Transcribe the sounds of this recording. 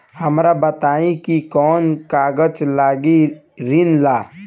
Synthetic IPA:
hɐmɾabət̪aːĩkikɔːnkaːɡət͡ʃlaːɡi | ɾinlaː

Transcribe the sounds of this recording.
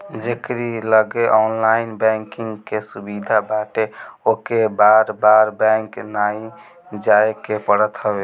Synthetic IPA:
d͡ʒekɾiləɡeʔɔnlainbɛ̃ŋkiŋɡkesubid̪ʱabaʈeokebaɾbaɾbɛ̃ŋknaĩ | d͡ʒaekepəɽət̪ɦəbe

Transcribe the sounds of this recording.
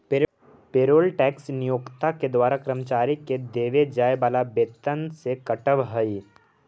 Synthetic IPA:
p | peːɾoːlʈɛːksnɪjoːkt̪aked̪ʋaːɾakɾəmt͡ʃaːɾiked̪eːʋed͡ʒaːjbaːlabeːt̪ənsekɐʈəʋɦəi

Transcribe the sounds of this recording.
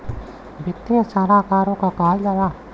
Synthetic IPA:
bɪt̪ːiãsaːlaːkaːɾõkakaːld͡ʒalaː

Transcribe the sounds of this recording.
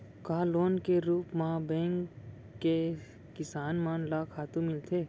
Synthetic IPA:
kaːloːnkeɾuːpmabɛ̃ːŋkː | e | kɪsaːnmaːnlaːkʰaːt̪ũmɪlt̪ʰeː

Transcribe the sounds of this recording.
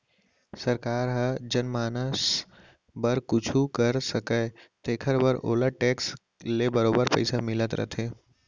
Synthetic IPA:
səɾkaːɾɦəd͡ʒənmaːnəs | bəɾkʊt͡ʃʰukəɾsəkət̪eːkʰəɾbəɾʔo̰ːləʈeːks | lebəɾoːbəɾpə̰ɪsamɪlət̪ɾə̰t̪ʰeː

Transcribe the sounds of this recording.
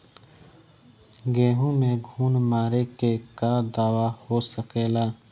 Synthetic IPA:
ɡeːɦõmẽɡʱuːnmaːɾekekad̪aːwahoːsəkeːlaː

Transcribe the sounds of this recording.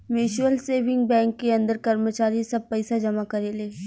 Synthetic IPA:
mɪʃwəlseːʋɪ̃ŋɡ̚bɛ̃ːŋkːeɐ̃nd̪əɾkɐɾmət͡ʃaːɾisɐb̚pɛɪsad͡ʒɐmakɐɾeleː

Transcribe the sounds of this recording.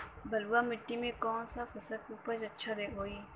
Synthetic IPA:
bɐluamɪʈːimẽkɔːnsafɐsəkuːpəd͡ʒɐtːʃʰad̪ekɦoːiː

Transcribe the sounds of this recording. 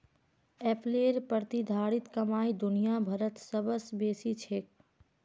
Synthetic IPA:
ɛpleːɾpəɾt̪id̪ʱaːɽɪt̪kəmaːid̪ʊnijabʱəɾət̪səbəsbeːsit͡ʃʰeːk

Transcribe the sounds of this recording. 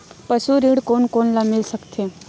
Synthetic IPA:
pəsuɾiɽkoːnkoːnlamɪlsəkt̪ʰe

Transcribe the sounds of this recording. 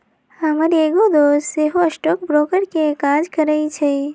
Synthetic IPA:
əməɾeːɡod̪oːsseɦoɐsʈoːkbɾoːkəɾkekaːd͡ʒkəɾəit͡ʃʰe

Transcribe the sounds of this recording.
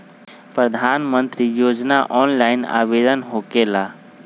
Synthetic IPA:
pɾəd̪ʱaːnmə̃nt̪ɾijoːd͡ʒnaʔɔːnlaːɪna̰ːʋeːd̪ənɦoːkeːlaː

